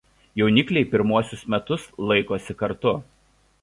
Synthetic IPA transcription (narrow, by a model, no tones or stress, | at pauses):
jɛʊnʲɪklʲɛɪpʲɪɾmuɔsʲʊsmʲɛt̪ʊslˠɐɪkoːsʲɪkɐɾt̪ʊ